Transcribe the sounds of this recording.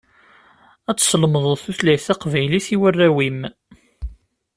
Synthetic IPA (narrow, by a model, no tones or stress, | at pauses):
æt͡sːsəlməðˤoθuθlæjθæqvæjliθiwərːæwim